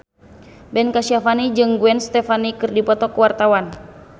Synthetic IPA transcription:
bɛnkasiafanid͡ʒɨŋɡuɛnst̪ɛfanikɨrdipɔt̪ɔkwart̪awan

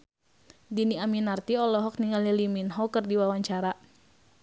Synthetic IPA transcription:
diniaminart̪iɔlɔɦɔk̚niŋaliliminɦɔkərdiwawaɲt͡ʃaɾa

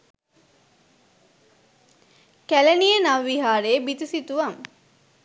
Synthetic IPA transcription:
kælenijənaʋːiɦaːɾeːbit̪isit̪uʋaŋ

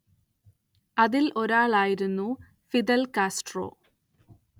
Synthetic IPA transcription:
ɐðilʔo̞ɾaːɭaːjiɾunːu | fid̪ɐlkaːsʈro̞̰ː

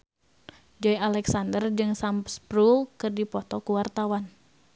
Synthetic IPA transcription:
d͡ʒɔjalɛksandərd͡ʒɨŋsampspɾulkɨrdipɔt̪ɔkuwart̪awan

